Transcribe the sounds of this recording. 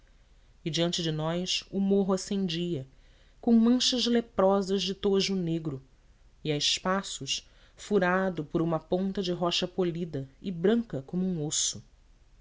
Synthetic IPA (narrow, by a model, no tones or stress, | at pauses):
ɪd͡ʒiɐ̃nt͡ʃɪd͡ʒɪnɔjsʊmoɦʊasẽnd͡ʒiɐ | kõw̃mɐ̃ʃɐzlepɾɔzɐzd͡ʒɪt̪oʒʊneɡɾʊ | iaɪʃpasʊʃ | fuɾad̪ʊpʊɾũmɐpõnt̪ɐd͡ʒɪɦɔʃɐpolid̪ɐɪbɾɐ̃ŋkɐkõmʊũosʊ